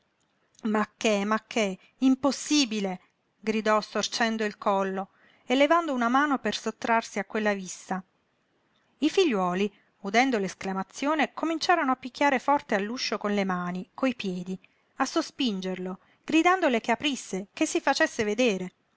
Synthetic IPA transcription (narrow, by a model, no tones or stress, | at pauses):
makːemakʰːe | imposːiːbile | ɡɾid̪ɔst̪ort͡ʃɛnd̪oilkɔlːo | elːevand̪ounamaːnopersot̪ːɾarsiakːwelːavisa | ifiʎːwɔːli | ud̪ɛnd̪olesklamat̪sːjoːnekomint͡ʃaːɾonoapːikʰʲːjaːɾefɔrt̪ealːuʃːokonlemaːnikoipjɛːd̪i | asːospind͡ʒerlo | ɡ̥ɾid̪and̪olekeapɾisːekesːifat͡ʃesːeved̪eːɾe